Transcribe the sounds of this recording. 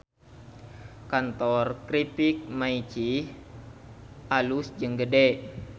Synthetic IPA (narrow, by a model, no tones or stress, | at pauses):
kant̪ɔrkɾipik̚mait͡ʃi | ʔalusd͡ʒɨŋɡədɛ